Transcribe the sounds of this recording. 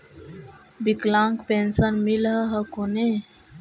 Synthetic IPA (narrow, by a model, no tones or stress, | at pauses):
biklãŋkpensənmilɦəɦəkone